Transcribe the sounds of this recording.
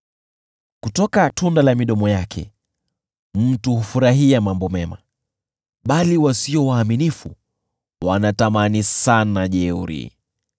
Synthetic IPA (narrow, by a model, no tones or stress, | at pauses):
kutɔkatʰundalamiɗɔmɔjakʰɛ̰ | m̩tuhufuɾaɦiamambɔmɛma̰ | ɓaliwasiɔwaːminifu | wanatamanisanaʄɛuɾḭ